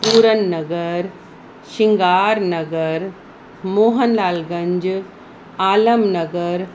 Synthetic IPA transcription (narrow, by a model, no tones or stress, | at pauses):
puːɾənːɐɡəɾ | ʃiŋɡaːɾnɐɡəɾ | moːɦənlaːlɡɐ̃ɲd͡ʑ | aːləmnɐɡəɾ